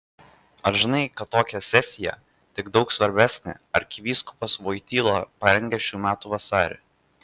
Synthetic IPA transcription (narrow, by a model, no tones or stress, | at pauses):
ɐɾʒʲɪnɐɪkɐt̪ːoːkʲɛsʲɛsʲɪjɛ̰ | t̪ʲɪɡd̪ɒʊksʋɐɾʲbʲæːsʲnʲḛːɐɾkʲɪʋʲiːskʊ̥pɐsʋoːɪt̪ʲiːlˠopɐɾʲɛŋʲɡʲɛʃʲuːmʲæːt̪uːʋɐsɑːɾʲḛ